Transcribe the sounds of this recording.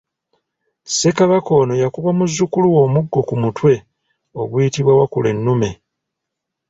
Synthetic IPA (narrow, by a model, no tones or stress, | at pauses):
se̞kaβako̞ːno̞jakuβamuzːukuluwo̞ːmuɡːo̞kumutwe̞ | o̞βwuitiβwawakule̞̰nːume̞